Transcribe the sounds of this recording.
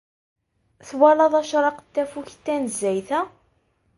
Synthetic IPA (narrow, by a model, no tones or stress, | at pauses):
θwælɑðˤɑʃɾˤɑqt̪ːæfuçt̪ːænəzːæjθæ